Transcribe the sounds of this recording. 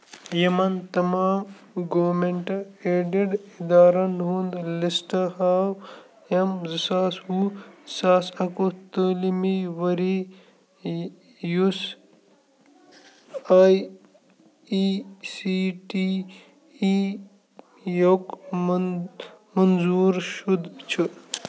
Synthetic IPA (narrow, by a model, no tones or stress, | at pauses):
jɐmɐnt̪ɐmaːm | ɡoːmeɳʈɐeːɖiɖid̪aːɾɐnɦund̪lisʈɐhaːw | ɐmzisaːshusaːsɐkot̪əːlimiʋɐɾi | jus | aj | isiʈi | i | jok | mɐnzuːɾʃud̪t͡ʃʰɨ